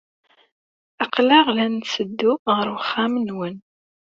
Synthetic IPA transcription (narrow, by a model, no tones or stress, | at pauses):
ɑqlɑʁlænsəd̪ːuʁəɾwəχːæmənwən